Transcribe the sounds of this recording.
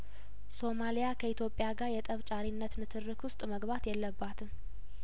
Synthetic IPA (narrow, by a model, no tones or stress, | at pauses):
so̞malijakʰəit̪ʰjo̞pʼːjaɡaɾjɛt̪ʼəβt͡ʃʼaɾinːət̪mɨt̪ʰɨrːɨkwʊst̪ʼməɡβat̪jɛlːəbːat̪ʰɨm